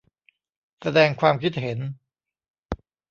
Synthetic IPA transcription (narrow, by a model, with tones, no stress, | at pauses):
sa˧dɛː˧ŋkʰwaː˧mkʰi˦˥t̪̚he˩˦n